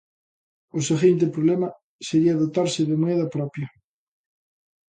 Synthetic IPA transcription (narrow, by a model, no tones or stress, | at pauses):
ʊseɣint̪̬epɾoβlemɐ | seɾiɐðot̪aɾsɪðemoɛðɐpɾɔpjɐ